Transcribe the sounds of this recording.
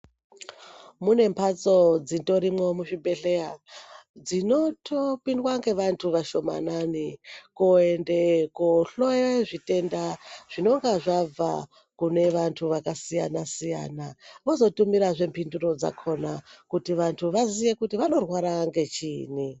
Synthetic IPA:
mune̞mpʰat͡so̞d͡zito̞ɾimo̞muʃibʱe̞ɬeja | d͡zino̞topindwaŋɡe̞ʋantʰuʋaʃo̞ma̰nanikoende̞koɬojeʐite̞ndaʐ̥ino̞ŋɡaʐava̰ | kune̞ʋantʰuʋakasija̰nasija̰naʋo̞zo̞tumiɾaʐe̞mpinduro̞d͡za̰kʰo̞nakutiʋantʰuʋazije̞kutiʋano̞rwaɾaŋɡe̞t͡ʃiːni

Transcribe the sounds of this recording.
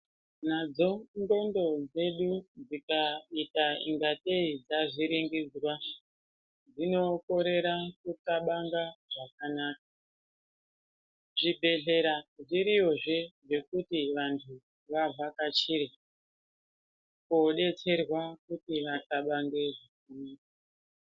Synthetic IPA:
nad͡zo̞ndo̞ndo̞d͡ze̞ɗud͡zikaitaḭŋɡateid͡zaʐiɾiŋɡid͡zwa | d͡zino̞ko̞ɾe̞ɾakukaɓaŋɡaʐakanaːk̚a | ʐibʱe̞ɮe̞ɾaʐiɾio̞ʐeʐe̞kutiʋantʰu | ʋavʱakat͡ʃiɾi | koɗe̞t͡se̞rwakutiʋasaɓaŋɡe̞ʐakuniːka

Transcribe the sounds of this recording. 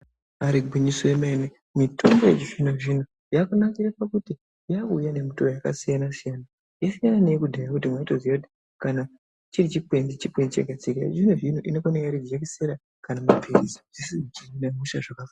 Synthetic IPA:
aɾiɡʱiɲisoemaene | mito̞mbojet͡ʃiʐinoʐin̤o | jakunakiɾapakuti | jakujane̞mutoojakasijanasijana | jasijananeekudʱajaudʱimwaitozijakuti̥ | kana | t͡ʃiɾit͡ʃipwend͡zit͡ʃipwend͡zit͡ʃa̰kat͡sika̰ʐinoʐinoʔinokoneɡjaɾiekeseɾa | kanamapʰeɾizḁʐisinit͡ʃirinamuʃaʐakafa

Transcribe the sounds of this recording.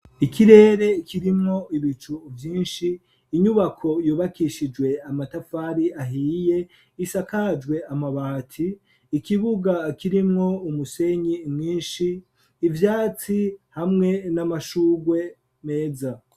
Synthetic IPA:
ikiɾe̞ːɾe̞kʰiɾimŋo̞iβit͡ʃuvjiːnʃiː | ɲuβakʰo̞juːβakiʃid͡ʒwe̞amatafaːɾiaɦiːje̞ | isakad͡ʒɡwe̞amaβahatʰiː | kiβuɡakiɾimŋo̞umuse̞ɲimŋiːnʃiː | vjaːt͡sihamŋe̞namaʃuːɡwe̞ | me̞ːza

